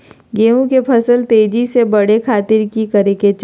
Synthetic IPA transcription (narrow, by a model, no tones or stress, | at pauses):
ɡeːũkepʰəsəlt̪eːd͡ʒisebɐɽekʰaːt̪ɪɾkikəɾeket͡ʃ